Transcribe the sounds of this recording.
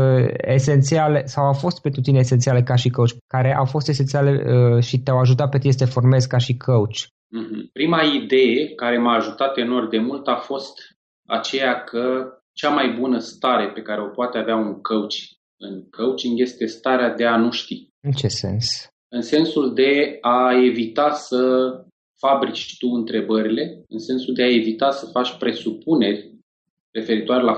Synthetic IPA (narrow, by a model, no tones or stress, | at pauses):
ḛse̞nt̪sialesawawfo̞st̪̚penut̪ineːset̪iale̞kaʃikəwt͡ʃʲkaɾe̞ʔawfo̞st̪e̞set̪ialeəʃit̪eawaʒut̪̬at̪̚pet̪ist̪efo̞rme̞zkaʃikʰəut͡ʃʲ | m̩ɦm̩pɾimaid̪e̞jekaɾe̞maːʒut̪at̪e̞no̞rd̪emult̪afo̞st̪ | a̰t͡ʃe̞jakʰə | t͡ʃamajbunəst̪aɾe̞pe̞kaɾe̞o̞poat̪eaveauŋkəwt͡ʃi̥ | ɨŋkʰəwt͡ʃiŋɡje̞st̪e̞st̪aɾead̪e̞anuʃt̪i | ɨnt͡ʃesḛns | ɨnse̞nsuld̪e̞ae̞vit̪asə | fabɾit͡ʃt̪uɨn̪t̪ɾe̞bəɾile̞ɨnse̞nsuld̪e̞ae̞vit̪asəfat͡ʃʲpɾe̞supune̞rʲ | re̞fe̞ɾit̪oaɾe̞la